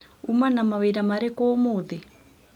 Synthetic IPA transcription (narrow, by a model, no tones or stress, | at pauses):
umanamaβeɾamaɾɛkɔmoðɛ